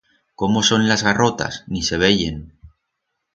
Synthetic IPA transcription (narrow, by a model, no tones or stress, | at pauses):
ko̞mo̞so̞nlazɣaro̞t̪a̰snise̞β̞e̞ʝe̞n